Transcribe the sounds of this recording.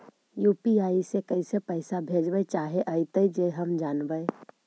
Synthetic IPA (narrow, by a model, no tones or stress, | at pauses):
juːpiaːisekəɪsepəɪsabʱed͡ʒbət͡ʃaːɦeʔəɪt̪əid͡ʒeɦəmd͡ʒaːnbəɪ